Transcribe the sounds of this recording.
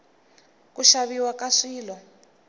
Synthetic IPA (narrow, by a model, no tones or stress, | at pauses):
kuʃaβiwakaʂiːlɔ